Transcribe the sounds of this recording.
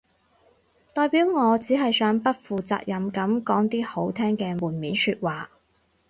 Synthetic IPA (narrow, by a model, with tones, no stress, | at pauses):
t̪ɔː˨˧jpiː˨˥wŋɔː˨˧t͡siː˨˥ɦɐ˨jsœː˨˥ŋpɐ˥t̚fuː˨t͡sa̰ː˧k̚jɐ˨˧mkɐ˨˥mkɔː˨˥ŋt̪iː˥ho˨˥wt̪ʰɛː˥ŋkɛː˧muː˨˩nmiː˨˥nsyː˧t̚waː˨